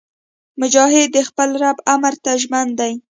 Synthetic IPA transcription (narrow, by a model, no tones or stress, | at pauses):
mʊd͡ʒɑɦɪd̪ːəxpəlɾabamɾt̪aʒmand̪aj